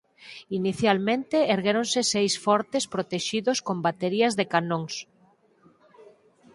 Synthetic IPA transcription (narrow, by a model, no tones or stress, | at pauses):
iniθjalmẽnt̪eeɾɣeɾonsɪsejsfɔɾt̪espɾot̪eʃiðoskombat̪eɾiɐzðekanõŋs